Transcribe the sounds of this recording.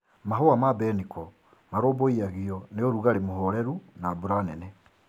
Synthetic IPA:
maɦoamabɛnikɔ | maɾoːboiaɣiɔneoɾuɣaɾemoɦɔɾɛɾunabuɾanɛnɛ

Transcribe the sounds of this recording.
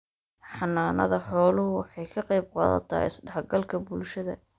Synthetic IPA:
ħɑnːaːnɐ̰ðɐħɔːlʊʊwɑħɑjkʰɐqɑjb̚qɑ̰ːðɐ̰t̪ʰɐ̰ɪ̰sɖɐħɡɐlkʰɐbʊlʃɐðɐ̰

